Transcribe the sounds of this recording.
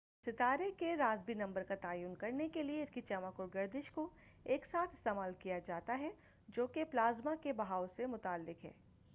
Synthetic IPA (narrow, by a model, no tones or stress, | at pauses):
sɪt̪aːɾekeɾaːzbinɐ̃mbəɾkat̪aːjuːnkɐɾnekelieɪskit͡ʃɐmakʊɾɡɐɾd̪ɪʃko | eːksaːt̪ʰɪ̥st̪eːmaːlkijad͡ʒaːt̪aɦɛ | d͡ʒoːkeplaːzmakebɐɦaːʊsemʊt̪aːlːɪkɦɛ̰ː